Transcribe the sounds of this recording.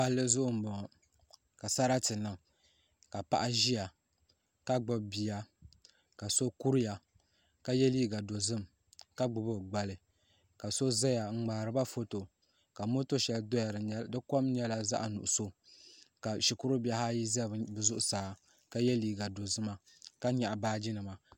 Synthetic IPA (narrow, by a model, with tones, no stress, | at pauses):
pa˦lːɨ˦zʊ˦ʔʊ˦m̩˨bɔ˨ɔ˨ | ka˨sa˦ɾa˦tɨ˨na˨ | ka˨pa̰˦˨ʔa˦ʒi˦ja˨ | ka˦ɡ͡bɨ˦bbi˨ja˨ | ka˨so˦ku˦ɾja˨ | ka˦jɛ˦liː˦ɡa˨do˨zɨ˦m | ka˦ɡ͡bʊ˨bɨ˦ɡ͡ba˨lɨ˨ | ka˨so˦za˦ja˨ŋ͡m̩˦˨ŋ͡maː˨ɾɨ˨ba˦fo˦to˨ | ka˨mo˦to˦ʃɛ˨ldo˦ja˨ɾdɨ˦ko˦mɲɛ˦la˦za̰˦ʔa˨nṵ˨ʔʊ˨so˦ka˨ʃi˨kʊ˦ɾɨ˦ba˦ha˦ji˦za˦˨bɨ˨zʊ˦ʔʊ˦saː˨˦ | ka˦jɛ˦liː˦ɡa˨do˨zɨ˦ma˨ | ka˦ɲɛ˨ʔa˨baː˦d͡ʒi˦nɨ˨ma˨